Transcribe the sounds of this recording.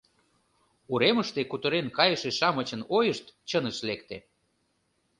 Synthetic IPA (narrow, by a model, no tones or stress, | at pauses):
uɾeməʃt̪ekut̪əɾenkɑjəʃeʃɑmət͡ɕənojəʃt̪t͡ɕənəʃlekt̪e